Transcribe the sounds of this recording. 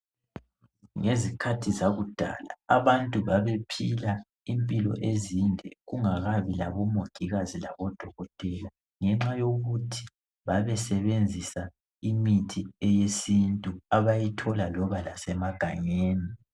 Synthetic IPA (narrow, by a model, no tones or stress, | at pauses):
ŋezikʰatʰizaɣud̥ʱa̰la̰aβantʼuβaβepʰila | impʼilɔ̰ʔezindʱɛ̰ɣuŋaɣaβila̰βɔmoɡ̥ʱiɣazila̰βɔd̥ʱɔɣɔtʼɛːla | ŋɛŋ͡ǁajoɣutʰi̥ | βaβɛsɛβend͡zʱisa | imitʰiɛjesintʼuaβajitʰɔlalɔβalasɛmaɡ̥ʱaɲeːni